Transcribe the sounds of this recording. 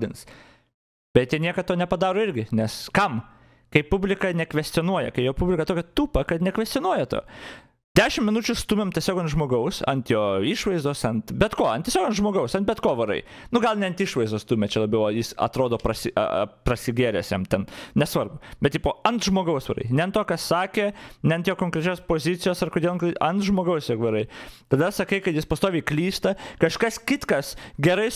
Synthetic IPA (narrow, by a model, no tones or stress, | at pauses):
dʲɪns | bʲɛt̪jiɛnʲiɛkɐt̪oːnʲɛpɐd̪ɑːɾoːɪɾʲɡʲɪnʲɛskɐm | kɐɪpʊbʲlʲɪkɐnʲɛkʋʲɛsʲt̪ʲɪonuɔjɛ̰kɐɪjoːpubʲlʲɪkɐt̪oːkʲɛt̪uːpɐkɐt̪nʲɛkʋʲɛsʲt͡s̪ʲɪonuɔjɛt̪o̰ː | d̪ʲæːʃʲɪmmʲɪnʊt͡ʃʲʊst̪uːmʲemt̪ʲiɛsʲoːkɐnt̪ʒmoːɡɐʊsɐ̰nt̪joːiːʃʋɐɪzd̪oːsɐnt̪bʲɛt̪koːɐnt̪ʲiɛsʲoːkɐnt̪ʒmoːɡɐʊsɐnt̪̚bʲɛt̪koːʋɐɾɐ̰ɪ | nʊɡɐlˠnʲɛɐnt̪ɪʃʋɐɪzd̪oːst̪uːmʲɛt͡ʃʲɛlˠɐbʲɐɪojɪsɐ̰t̪ɾoːd̪oːpɾɐsʲɪɐ̰prɐsʲɪɡʲeːɾʲɛsjɛmt̪ʲɛnnʲɛsʋɐrbʊbʲɛt̪tʲiːpoːɐnt̪ʒmoːɡɐʊsʋʲɐɾɐ̰ɪnʲɛɐnt̪oːkɐssɑːkʲeːnʲɛɐnt̪joːkoːŋkɾʲɛt͡ʃʲoːspoːzʲɪt̪sʲɪjoːsɐrkod̪ʲeɛlˠnkɐnt̪ʒmoːɡɐʊsjoːkʋʲɐɾɐɪt̪ɐd̪ɐsɐkɐɪkɐt̪jɪspɐst̪oːʋʲiɪklʲiːst̪ɐkɐʃkɐskʲɪt̪kɐsɡʲɛɾɐɪ